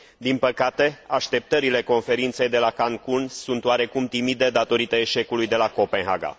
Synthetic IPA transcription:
d̪inpəkat̪e̞aʃt̪e̞p̚t̪əɾile̞ko̞nfe̞ɾint̪se̞jd̪e̞lakaŋkunsunt̪waɾe̞kumt̪imid̪e̞d̪at̪o̞ɾit̪əeʃe̞kulujd̪e̞lako̞penɦa̰ɡa̰

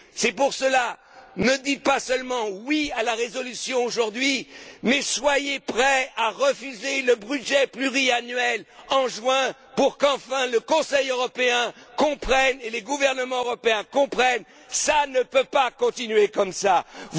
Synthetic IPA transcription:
sɛpuʁsəla | nəd̪it̪̚pasœlmɑ̃wialaʁezɔlysjɔ̃oʒuʁd̪ɥimɛswajepχɛaʁəfyzeləbʁyʒɛplyʁianɥɛlɑ̃ʒwɛ̃ | puʁkɑ̃fɛ̃ləkɔ̃sɛjøʁɔpeɛ̃kɔ̃pχɛneleɡuvɛʁnəmɑ̃øʁɔpeɛ̃kɔ̃pχɛn | sanəpøpakɔ̃t̪inɥekɔmsa

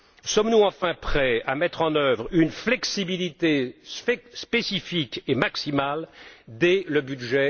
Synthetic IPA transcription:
sɔmnuɑ̃fɛ̃pχɛamɛt̪χɑ̃nœvʁynflɛksibilit̪esspesifikemaksimald̪ɛləbyd̪ʒɛ

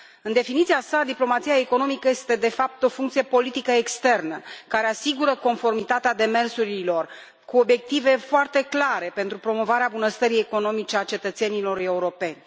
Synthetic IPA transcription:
ɨnd̪e̞finit̪siasad̪iplo̞mat̪sijaeko̞no̞mikəje̞st̪e̞d̪e̞fap̚t̪o̞fuŋkt̪sije̞po̞lit̪ikəekst̪e̞rnəkaɾe̞asiɡuɾəko̞nfo̞rmit̪at̪ead̪e̞me̞rsuɾilo̞r | kuo̞bje̞k̚t̪ive̞foart̪e̞klaɾe̞pe̞nt̪ɾupɾo̞mo̞vaɾeabunəst̪əɾie̞ko̞no̞mit͡ʃe̞at͡ʃe̞t̪ət̪se̞nilo̞re̞uɾo̞pe̞nʲ

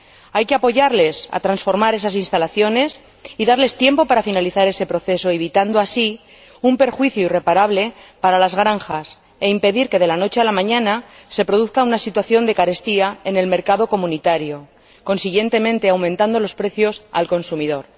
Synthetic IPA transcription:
ajke̞apo̞ʝaɾle̞sa̰t̪ɾansfo̞ɾmaɾe̞s̬as̬inst̪alaθjo̞ne̞s | iðaɾle̞st̪je̞mpo̞paɾafinaliθaɾe̞se̞pɾo̞θe̞so̞e̞β̞it̪and̪oasi | umpe̞ɾxwiθjoire̞paɾaβle̞paɾalazɣɾaŋxas | e̞impe̞ðiɾke̞ðe̞lano̞t͡ʃe̞alamãɲãnase̞pɾo̞ð̞uθkaunasit̪waθjo̞nd̪e̞kaɾe̞st̪iae̞ne̞lme̞ɾkaðo̞ko̞mũnit̪aɾjo̞ | ko̞nsiɣje̞nt̪e̞mẽnt̪eawmẽnt̪and̪o̞lo̞spɾe̞θjo̞sa̰lko̞nsumiðo̞ɾ

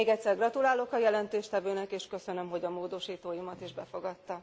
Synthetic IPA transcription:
eːɡɛc̪ʲsɛrɡrɒt̪ulaːlo̞kɒjɛlɛnt̪eːʃt̪ɛvøːnɛkeːʃkø̞sø̞nø̞mɦo̞ɟɒmoːd̪o̞ʃiːt̪oːjimɒt̪iʒbɛfo̞ɡɒt̪ːɒ

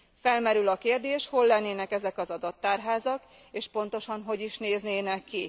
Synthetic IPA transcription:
fɛlmɛɾylɒkeːrd̪eːʃho̞lːɛnːeːnɛkɛzɛkɒzɒd̪ɒt̪ːaːrɦaːzɒk | eːʃpo̞n̪t̪o̞ʃɒnɦo̞ɟiʃneːzneːnɛkːi

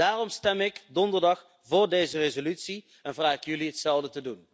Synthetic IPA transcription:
aːrɔmstɛmɪkdɔndərdɑχ | vʊːɹdejzərezolytsi | ɛnvraːkjɵliɦətsɛlˠdətədun

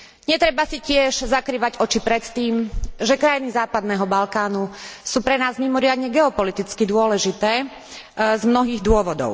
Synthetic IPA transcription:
ɲɛt̪ɾɛbasicɪɛʒzakɾiːʋaɟɔt͡ʃipɾɛt̪t̪iːmʒɛkɾajinizaːpad̪nɛːɦɔbalkaːnusuːpɾɛnaːzmimɔɾɪad̪ɲɛɡɛɔpɔlit̪it͡skid̪ʊɔlɛʒit̪ɛː | zmnɔɦiːɣd̪ʊɔʋɔd̪ɔ̰ʊ

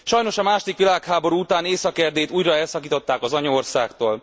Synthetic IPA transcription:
ʃɒjno̞ʃɒmaːʃod̪ikʋilaːkhaːbo̞ɾuːut̪aːneːsɒkɛrd̪eːt̪uːjrɒɛlsɒkiːt̪o̞t̪ːaːkɒzɒɲɒorsaːkt̪oːl

